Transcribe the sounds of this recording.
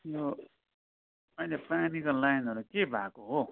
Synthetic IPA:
jo | pʌilepranikʌllajnʌɾukebʱakoɦo

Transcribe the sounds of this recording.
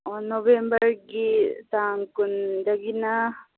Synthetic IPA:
onoʋembɐɾɡit̪aːŋkund͡ʒɐɡina

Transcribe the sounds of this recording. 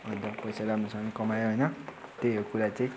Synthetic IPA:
ʌnt̪ʌpʌjsalɦamrusʌmʌnikʌmajoɦojnʌt̪eokuɾat͡sʌĩ

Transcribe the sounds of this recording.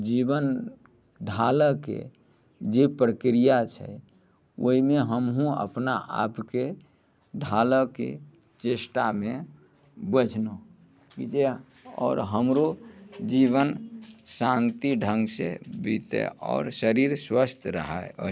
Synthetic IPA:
d͡ʒibən | ɖʱaləkḛ | d͡ʒepɾəkɾijat͡ʃʰɛ̰ | oɦimeɦəmɦũə̰pnaʔa̰pke | ɖʱaləkḛ | t͡ʃesʈamẽ | bəd͡ʒʱno | kid͡ʒe | ɔ̰ːɾɦəmɾod͡ʒiβənsãnt̪iɖʱə̃ŋɡsḛbit̪ḛɔ̰ːɾsəɾiɾswəst̪ʰɾəɦao

